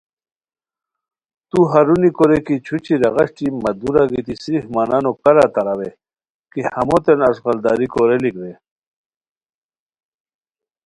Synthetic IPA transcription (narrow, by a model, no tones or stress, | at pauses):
t̪uɦɐɾunikoɾekit͡ɕʰut͡ɕiɾɐɣɐʂʈimɐd̪uɾaɡit̪isɾihmaːnanokɐɾat̪ɐɾawe | kihɐmot̪enɐsɣɐld̪aːɾikoɾelikde